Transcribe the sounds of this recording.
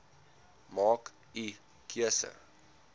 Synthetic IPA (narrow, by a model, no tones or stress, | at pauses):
mɑːk | i | kʰiəsə̰